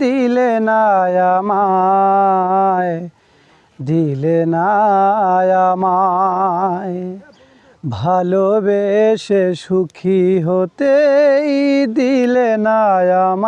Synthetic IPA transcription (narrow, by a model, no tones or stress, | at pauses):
d̪ilenajama | e | d̪ʱiːlena | jama | e | bʱalobeʃeʃukʰiɦot̪eid̪ilenajama